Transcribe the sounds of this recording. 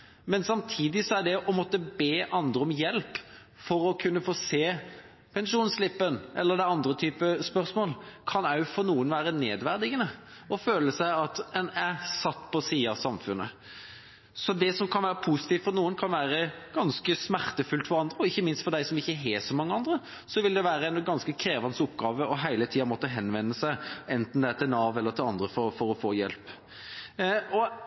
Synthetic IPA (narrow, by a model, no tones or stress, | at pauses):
mɛnsɑmt̪ʰiːd̪ɪsɔæɖ̪ɛʔɔmɔt̪ːəbeːʔɑnd̪ɾəɔmjɛlp | fɔɾɔkʰʉnːəfoːseː | pʰɛnʂuːnslɪpːənʔɛ̰lːəɾd̪æɪɑnd̪ɾət̪ʰyːpəspœɾsmoːlkʰɑnœʉfɔɾnuːənʋæːɾəneːd̪ʋæɾd̪ɪɡənəɔføːləsæɪɑt̪ɛnæsɑt̪ːpʰɔsiːəɑ̰sɑmfʉ̰nːʔə̰ | sɔd̪ɛsɔmkʰɑnʋæːɾəpʰusɪ̥t̪iːʋt̪fɔɾnuːənkʰɑnʋæːɾəɡ̥ɑnskəsmæɾt̪əfʉlt̪fɔɾɑnd̪ɾəɔɪçːəmɪnst̪fɔɾd̪æɪsɔmɪçːəɦɛsɔmɑŋːəɑnd̪ɾə | sɔʋɪld̪ɛʋæːɾəɛnɡɑnskəkʰɾeːʋɑnsʊpːɡɑːʋəɔɦæɪlət̪ʰiːɑmɔt̪ːəɦɛnʋɛnːəsæɪɛnt̪n̩d̪ɛæt̪ʰɪlnɑʋɛlːəɾt̪ʰɪlɑnd̪ɾəfɔɾfɔɾɔfoːjɛ̰lp | ɔ